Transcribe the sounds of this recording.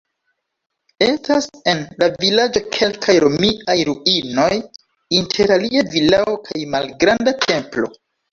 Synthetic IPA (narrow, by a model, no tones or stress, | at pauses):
e̞stase̞nlavilad͡ʒo̞kʰe̞lkʰajɾo̞miajɾuino̞j | intʰe̞ɾaliavilaokʰajmalɡɾandatʰe̞mplo̞̰